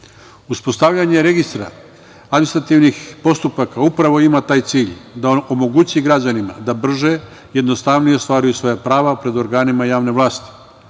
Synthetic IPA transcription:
uspo̞st̪aʋʎaɲe̞ɾe̞ɡist̪ɾa̰ː | d̪minist̪ɾat̪iʋnixpo̞st̪upakaupɾaʋo̞imat̪aːjt̪siːʎd̪aono̞mo̞ɡut͡ɕiɡɾad͡ʑanima̰d̪abr̩ʒe̞ | jed̪no̞st̪aʋnijeost̪ʋaːɾujusʋo̞japɾaːʋapɾe̞d̪o̞ɾɡaːnimajaːʋne̞ʋlˠaːst̪i̥

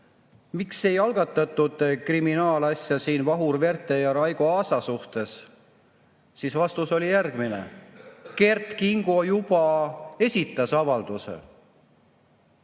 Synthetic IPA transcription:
mikse̞jɑlɡ̥ɑt̪ˑːɑt̪ːˑud̪̥kriminɑːlɑsʲjɑsiːnvɑɦurve̞rt̪ˑe̞jɑɾɑjɡ̥oɑːsɑsuht̪e̞s | sisvɑst̪uso̞lijærɡ̥minḛke̞rt̪kiŋɡ̥o̞jub̥ɑe̞sʲit̪ːˑɑsɑvɑld̪̥usḛ

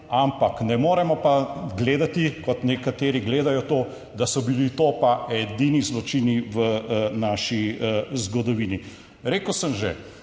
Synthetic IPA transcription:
ampaknɛmoːɾɛmɔpaɡleːd̪at̪ikɔt̪nɛkat̪eːɾiɡleːd̪ajɔt̪oː | d̪asɔbilit̪oːpaɛd̪inizlɔt͡ʃiːniʋənaːʃizɡɔd̪ɔʋiːni | ɾeːkəwsəmʒe

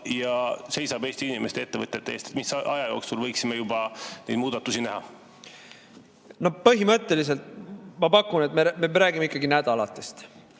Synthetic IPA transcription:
jɑse̞jsɑbe̞ːst̪iinimest̪ee̞t̪ːevɤt̪ːˑet̪ːeeːst̪et̪misʔɑjɑjo̞ːksulvɤjksimejubɑnejd̪̥muːd̪̥ɑt̪ːˑusinæɦɑ | no̞pɤɦimɤt̪ːe̞lis̬e̞lt̪mɑpɑkːunet̪memeɾæːɡimeikːˑɑɡinæd̪̥ɑlɑt̪ːˑest̪

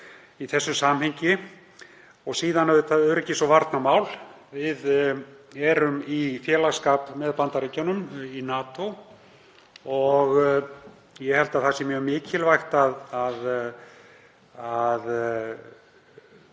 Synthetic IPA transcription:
iθɛsːʏsaːmheɲcɪ | ɔɣsiːðanɛvðʏθaðœɾɛcːɪsɔvaɾt̪namaːwl | vɪð | ɛɾʏmifjɛːlaɣskaːpmɛðpant̪aɾiːcɔnʏminaːt̪o | ɔɣ | jɛhɛlt̪aθasɪmjœɣmɪːcʰɪlvajxt̪aðað | að

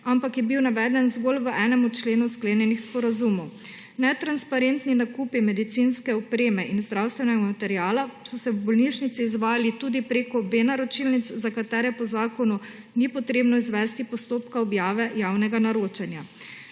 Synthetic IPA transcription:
ampakjɛbiwnaʋɛːd̪ɛnzɡolʋəʔɛːnɛmut͡ʃleːnuskleːnjɛnixspɔɾazumɔw | nɛt̪ɾanspaɾent̪ninakupimɛd̪it̪sinskɛɔpɾeːmɛʔinzd̪ɾawst̪ʋɛnɛɡamat̪ɛɾiaːlasɔsɛwbɔlniʃnit̪siːzʋaːjalit̪uːd̪ipɾeːkɔbeːnaɾɔt͡ʃilnit̪szakat̪ɛːɾɛpɔzaːkɔnu | nipɔt̪ɾeːbnɔizʋɛst̪ipɔst̪oːpkaɔbjaːʋɛjaːwnɛɡanaɾoːt͡ʃɛnja

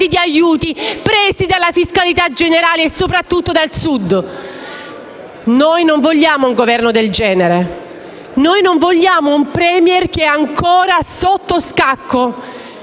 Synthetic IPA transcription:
id̪iajuːt̪ipɾɛːzid̪alːafiskalit̪ad͡ʒeneɾaːleːsːopɾat̪ːut̪ːod̪alsud̪ | nojnoɱvoʎːaːmouŋɡovɛrnod̪eld͡ʒɛːneɾe | nojnoɱvoʎːaːmoumpɾɛmjɛrk̟eɛaŋkʰoːɾasot̪ːoskakʰːo

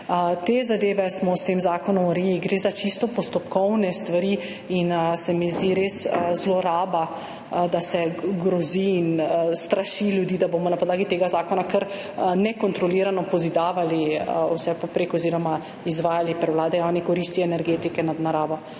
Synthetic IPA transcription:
t̪ezad̪eːʋɛsmɔst̪eːmzaːkɔnɔmuɾeliɡɾeːzat͡ʃist̪ɔpɔst̪ɔpkɔwnɛst̪ʋaɾi | insɛmizd̪iɾeːszloɾaːba | d̪asɛɡɾɔziːnst̪ɾaʃiljud̪iːd̪abomɔnapɔd̪laːɡit̪eːɡazaːkɔnakəɾ | nɛkɔnt̪ɾɔliɾanɔpɔzid̪aːʋaliwsɛpɔpɾeːkɔziːɾɔma | izʋaːjalipɾɛwlaːd̪ɛjawnikɔɾiːst̪iɛnɛɾɡeːt̪ikɛnad̪naɾaːbɔ

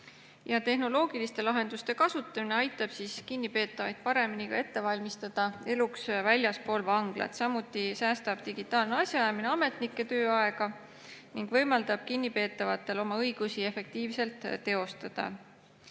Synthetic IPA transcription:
jɑt̪e̞ɦno̞lo̞ːɡ̥ilist̪e̞lɑɦe̞nd̪̥ust̪e̞kɑsut̪ːˑɑmine̞ɑjt̪ːˑɑb̥siːskinːipe̞ːt̪ːˑɑvɑjd̪̥̚pɑɾe̞minikɑ̰e̞t̪ːe̞vɑlʲmist̪ɑd̪̥ɑe̞luksvælʲjɑspo̞ːlvɑŋɡ̥lɑ̰t̪sɑmut̪ːˑisæːst̪ɑb̥̚t̪iɡ̥it̪ːˑɑːlneɑsʲjɑjɑmineɑme̞t̪nikːˑe̞t̪ø̞ːɑe̞ɡ̥ɑ | niŋɡ̥vɤjmɑld̪̥ɑb̥̚kinːipe̞ːt̪ːˑɑvɑt̪ːˑe̞lo̞mɑɤjɡ̥usie̞fe̞k̚t̪iːvse̞lt̪ːe̞o̞st̪ɑd̪̥ɑ̰

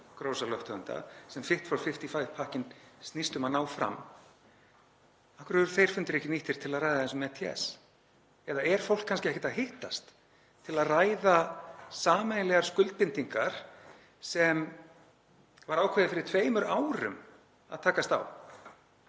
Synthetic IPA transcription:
kɾoːwsalœht̪ʰœʏnt̪a̰sɛmfɪht̪fɾawfɪft̪ifajpʰahcɪnst̪nist̪ʏmanaːwfɾa̰m | ahkʏɾɾθejɾ̥fʏnt̪ɾɛhcɪniht̪ɪɾ̥t̪ʰɪlaðrajðaðθɛnsʏmɛt̪ʰiɛ̰s | ɛðaɛɾ̥fowl̥kʰːanscɪɛçcɪt̪aɦɪht̪ast̪ | t̪ʰːɪlaðraːjðasaːmanlɛɣaɾ̥skʏlt̪̚pɪnt̪iŋkaɾ̥ | sɛm | vaɾaːwkʰɛðɪfɪɾɪɾ̥t̪ʰveːjmʏɾaːwɾʏ̰m | a̰ðt̪ʰaːkast̪a̰w

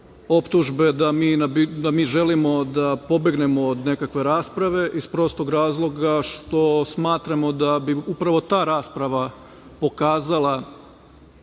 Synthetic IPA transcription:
o̞pt̪uʒbe̞d̪amiːnabid̪amiːʒe̞limo̞d̪apo̞be̞ɡne̞mo̞ːd̪ne̞kakʋe̞ɾaːspɾaʋe̞ʔispɾo̞st̪oɡɾaːzlˠo̞ɡaʃt̪o̞smaːt̪ɾamo̞d̪abiupɾaʋo̞t̪aːɾaːspɾaʋa | po̞kaːzalˠa

